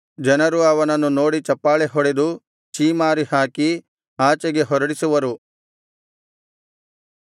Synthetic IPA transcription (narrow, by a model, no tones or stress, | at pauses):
d͡ʒɐnɐɾuɐʋɐnɐnːuno̞ːɽit͡ʃɐpːaːɭeɦɔɽed̪u | t͡ʃiːmaːɾihaːki | aːt͡ʃɐɡe̞ɦɔɾɐɽisuʋɐɾu